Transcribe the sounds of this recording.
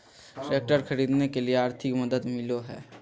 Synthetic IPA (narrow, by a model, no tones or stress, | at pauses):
ʈɾeːk̚ʈəɾxʰɐɾiːd̪nekelieaːɾt̪ʰɪkmɐd̪əd̪mɪloɦɛ̰ː